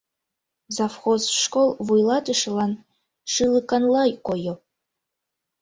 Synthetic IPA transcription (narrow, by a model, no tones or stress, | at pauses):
zɑfxozʃkolˠvujlˠɑt̪əʃɤ̆lɑn | ʃɯlˠɯkɑnlˠɑjkojo